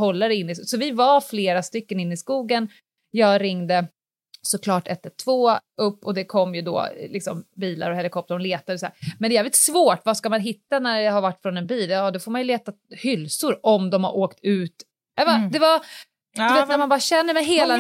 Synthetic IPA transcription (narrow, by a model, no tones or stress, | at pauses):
hɔlːaɾɛɪnːɪssɔvɪvaɾfleːɾast̪ʏkːənɪnːɪskuːɡən | jɑːɡɾɪŋːd̪ə | sɔkʰlɑːʈʰɛt̪ːət̪ʰv̥oːʔɵpːɔd̪ɛkʰɔmːjɵd̪ɔ̰ːlɪksɔmbiːla̰ɾɔhɛlɪkʰɔp̚t̪əɾɔnleːt̪ad̪ɛsɔd̪æ̰ːɾmɛnɛjɛːvlɪt̪svoːʈvaskamanɦɪt̪ːanæɖɦaɾvaʈːfɾɔnɛnbiːljɑːd̪ɔfoːɾmanjɵleːt̪a | hʏlsʊɾɔmd̪ɔmha̰ɾʔoːkt̪ʰʉ̟ːt̪ | ɛvad̪ɛva | d̪ɵvɛːt̪næɾmanbɑːɾaɕɛnːəɾmɛjɦeːla